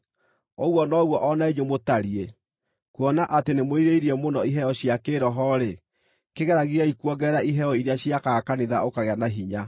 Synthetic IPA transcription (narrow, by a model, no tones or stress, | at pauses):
oɣwɔnɔɣwɔʔɔnaeɲomotaɾie | kuɔnaʔatenemoiɾeiɾiɛmonɔiɦɛɔɕjakeːɾɔɦɔɾe | keɣɛɾaɣiaikwɔɡɛɾaʔiɦɛɔiɾeaɕiakakaneðaokaɣeanaɦiɲa